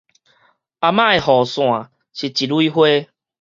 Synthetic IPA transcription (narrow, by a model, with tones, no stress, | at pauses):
a˨mã˦e˨hɔ˨sw̃ã˨ | ɕi˨t͡ɕi˨du˦i˦ɦwe˦